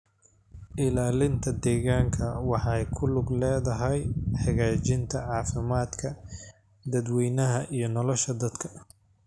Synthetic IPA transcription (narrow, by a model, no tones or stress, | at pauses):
ʔɪlaːlɪnt̪ʰɐd̪ɛːɣaːŋkʰɐwɑħɑjkʰʊlʊɡlɛːðɐɦɛjħɑɣaːt͡ʃɪnt̪ʰɐʕɑːfɪmaːd̪kʰɐ | d̪ɐd̪wɛjnɐɦɐʔijɞnɔlɔʃɐd̪ɐd̪kʰɐ̥